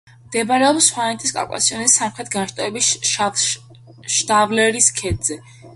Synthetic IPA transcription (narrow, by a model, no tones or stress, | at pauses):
md̪ɛbaɾɛɔpsːχwanɛt̪ʰʼiskʼa̰kʼa̰siɔnisːamχɾɛt̪̚ʰɡanʃt̪ʼɔɛbi | ʃt̪avlɛɾiskʰɛd̪zɛ